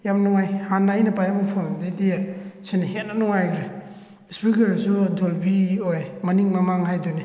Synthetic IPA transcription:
jamnɔŋajhanːajnapajɾamapʰɔmdedesenehet̚nanɔŋajɡɾe | spikeɾsudolbiojmaniŋmamaŋhajdune

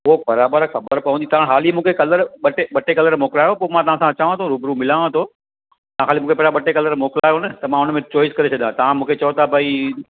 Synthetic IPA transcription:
ʊɦobɐɾaːbəɾxɐbəɾpɐʋə̃nd̪it̪ɐʋãːɽ̃ɦaːlimũːkʰekɐləɾɓɐʈeɓɐʈekɐləɾmoːklaːɦjopoːmãt̪ɐʋ̤ãsãɐt͡ɕaːʋãt̪ʰoɾuːbɾumɪlaːʋãt̪ʰo | t̪ɐãxaːlimũːkʰepɐɾaɓɐʈekɐləɾmoːkɪlaːɦjonɐt̪ɐmãʊnəmẽt͡ɕɔːɪskɐɾet͡ɕʰɐɗ̪ãt̪ɐʋ̤ãmũːkʰet͡ɕɐjot̪ʰabʱai

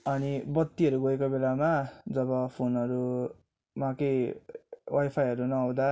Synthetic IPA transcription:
ʌnibʌt̪ːiʌɾuɡoekobelamad͡zʌβʌpʰonʌɾu | mãkʌj | wajpʰajɦʌɾunʌʌw̃d̪a

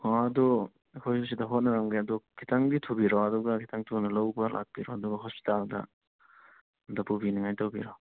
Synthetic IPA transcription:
aɐdu | kʰojsus̬idɐɦot̚nɐɾɐŋɡeɐdukʰitaŋditʰubiɾɔɐduɡɐkʰitʰaŋtʰunɐlɐwbɐlʔa̰k̚biɾoɐduɡɐɦospi̥taldɐ̰ | dɐpubiniŋajtɐwbiɾo

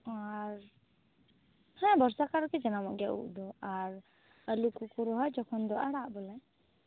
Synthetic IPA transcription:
aɾ | hɛ̃bɔɾsakaɾɔkɛd͡ʒɛnamɔɡjaʔṵʔd̪ɔaɾ | əlukukuɾuɦɔjd͡ʒɔkʰɔnd̪ɔʔaɽaʔbɔla

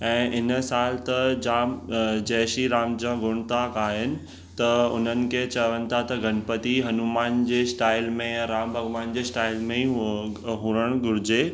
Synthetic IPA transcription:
ɛ̃ːʔɪnsaːlt̪ɐd͡ʑaːmd͡ʑɛːʃiɾaːmd͡ʑãːɡʊɽ̃t̪aːkaːɦɪnɪ̆ | t̪ɐʊ̰n̤ənɪ̆kʰet͡ɕɐʋənɪ̆t̪ʰat̪ɐɡʱɐnpət̪iɦɐnumaːnd͡ʑeːsʈaːɪlmẽɾaːmbʱɐɡʋaːnd͡ʑeːsʈaːɪlmẽ | ɦuːɾəɽ̃ɡʊɾɪd͡ʑeː

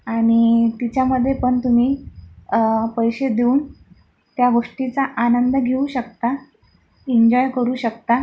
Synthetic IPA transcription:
aɽ̃it̪it͡ɕjaməd̪ʱːjepəɳt̪um̤iː | pəjɕed̪euːn | t̪jaʋəʂʈit͡saʔanənd̪əɡʱeuɕəkt̪a | iɲd͡ʑɔjkəɾuːɕəkt̪a

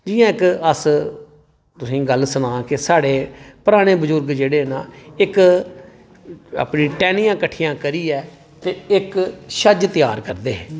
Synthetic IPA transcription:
d͡ʒɪjãːɪkəs | t̪ʊsĩːɡəlsʊnãːkesaːɽeːpʊɾaːɽ̃eːbəzʊɾɡd͡ʒeːɽeːnãːɪk | ə̰pnĩːʈɛːnijãːkəʈʰːijãːkəɾiːɛː | t̪eːɪkʃəd͡ʒt̪ɪjaːɾkəɾd̪eː

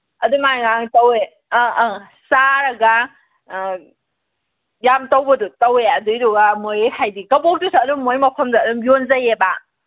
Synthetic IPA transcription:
ɐdumajŋaŋtɐwe | saɾɐɡɐ | jamtowbɐdutɐweɐdɯjɾuɡɐmojehʰajdikɐbɔk̚dusaːduŋmojmɐpʰɐmzaːduŋbjonzajeba

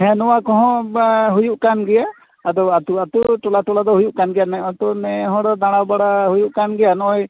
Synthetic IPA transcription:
ɦɛnɔwakɔɦɔ̃ɦujuʔkanɡɛjaː | d̪ɔwat̪uat̪uʈɔlaʈɔlad̪ɔɦujuʔkanɡɛjanɛɔt̪ɔnɛɦɔ̃ɽɔd̪aɽ̃abaɽaɦujuʔkanɡɛjanɔɔj

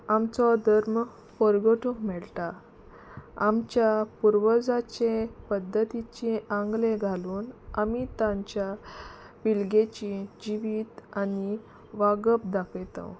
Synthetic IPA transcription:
amt͡sɔd̪ʱəɾm | fɔɾɡoʈʰokmɛɭt̪a | amt͡ɕjapuɾʋəd͡zat͡ɕẽpəd̪ʱːət̪it͡ɕeãŋɡlẽɡʱaluːnamit̪ãɲt͡ɕja | pilɡet͡ɕid͡ʑiʋiːt̪ani | ʋaɡəp̚d̪akʰjt̪ə̰̃w

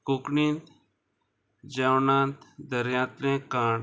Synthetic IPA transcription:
kukniːnt̪ | d͡ʒaːwnãːnt̪d̪əɾjãːt̪ɾẽkãː

